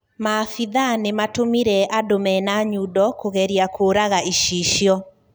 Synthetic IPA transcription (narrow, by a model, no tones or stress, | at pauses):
mafiðanematomiɾɛʔadomɛnaɲudɔkoɣɛɾiakʰoɾaɣaiʃiʃjɔ